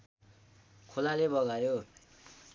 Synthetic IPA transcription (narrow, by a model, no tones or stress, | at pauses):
kʰolalebʌɣajo